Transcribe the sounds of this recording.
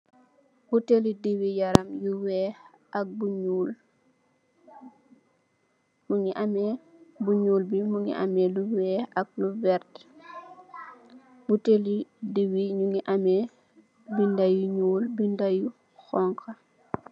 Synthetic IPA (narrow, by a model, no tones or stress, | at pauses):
butelidiwijɐɾɐmjuwɛ | ɐk̚buɲuːl | muŋiʔamɛbuɲuːlbimuŋḭʔa̰mɛluwɛːɐk̚luvɛɾt | butelidiwiɲuŋiʔamɛ | bindajuɲuːlbindaju | xɔŋkʰa